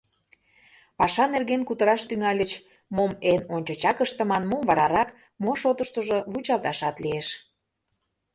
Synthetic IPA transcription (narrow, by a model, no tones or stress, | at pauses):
pɑʃɑnerɣenkut̪ə̆ɾɑʃt̪yŋɑlʲət͡ɕ | momenonʲt͡ɕŏt͡ɕɑkəʃt̪ə̆mɑnmomvɑɾɑɾɑk | moʃot̪əʃt̪əʒoβut͡ɕɑlˠt̪ɑʃɑt̪lieʃ